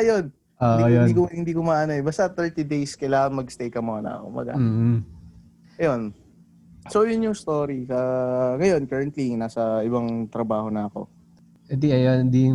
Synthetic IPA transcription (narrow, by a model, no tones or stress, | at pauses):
ʔɐjon | ooiːkohɪnd̪iːkʊmaːʔɐnoʔɛbaːst̪ɐt̪ɛɹt̪id̪ejskɐlaːŋɐŋmɐɡst̪ejkɐmoɐnɐ̰kʊ̰mbɐ̰ɡa̰ː | ʔɐjo̞n | so̞jʊnjʊŋst̪oːɾisɐŋɐjo̞nkɐɹɐnt̪liŋnaːsɐʔɪβɐŋt̪ɾɐbaːho̞nɐɐko̞̰ | ɛd̪iɐjonnd̪i